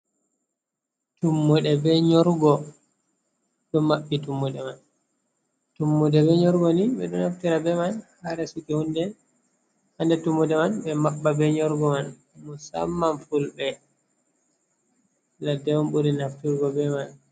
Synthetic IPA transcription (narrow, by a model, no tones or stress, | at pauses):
tumːuɗɛbɛɲɔɾɡɔ | ɗɔmaɓːitumːuɗɛman | tumːudɛbɛɲɔɾɡɔniɓɛ̰ɗɔnaftiɾabɛmanhaɾɛsukihundɛ | handɛtumːudɛmanbɛmaɓːabɛɲɔɾɡɔman | musa̰mːamfulbɛ | ladɛwumɓuɾinaftiɾɡɔbɛman